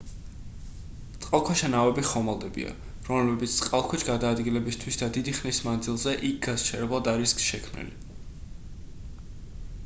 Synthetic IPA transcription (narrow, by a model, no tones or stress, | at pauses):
t̪sʼqʼalˠkʰwaʃanavɛbiχɔmalˠd̪ɛbḭa̰ | ɾɔmlɛbit̪sʰsʼqʼalˠkʰwɛt͡ʃʰɡad̪aːd̪ɡilɛbist̪ʰwisd̪ad̪id̪iχnismand̪zilˠzɛʔik̚ʰɡ̥azt͡ʃʰɛɾɛblˠad̪aɾisksʃɛkʰmnḭlḭ